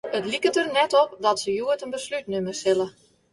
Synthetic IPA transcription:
ətlikətərnɛtɔp̚dɔtsəjuətənbəslytnømərsɪlə

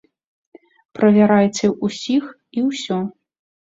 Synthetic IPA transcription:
pɾɐvʲaɾajt͡sʲɛʔusʲix | iwsʲɔ

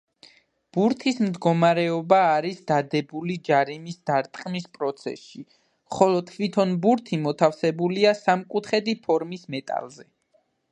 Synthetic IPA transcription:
b̥uɾt̪ʰismd̪ɡɔmaɾɛɔbaːɾisd̪ad̪ɛbulid͡ʒaɾimisd̪̥aɾt̪ʼqʼmispʼɾɔt̪sʰɛ̰sʃi | mχɔlɔt̪ʰːvit̪ʰɔnbuɾt̪ʰimɔt̪ʰafsɛbuliasamkʼut̪ʰχɛd̪ipʰɔɾmismɛt̪ʼa̰lˠzɛ

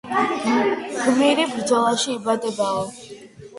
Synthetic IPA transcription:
ɡ̥miɾibɾd̪zɔlˠaʃiːbad̪ɛbaɔ

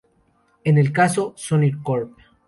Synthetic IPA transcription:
enelkasosoniɾkolp̚

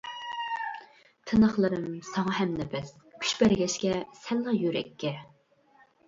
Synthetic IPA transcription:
t̪ʰɨnɑχlˠɨɾɨmsɑŋɑɦɛmnɛbɛs | kʲʰy̥ʃbæɾɡʲɛʃkʲɛsɛlːɑjyɾɛ̰kʲʰːɛ

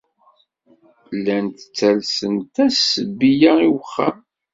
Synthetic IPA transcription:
lːænt̪ə̥t͡sːælsənt̪æsəbijaiwəχːa̰m

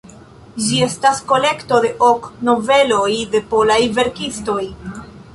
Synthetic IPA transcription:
d͡ʒie̞stasko̞le̞kto̞de̞ʔokno̞ve̞lo̞jde̞po̞lajve̞ɾkisto̞j

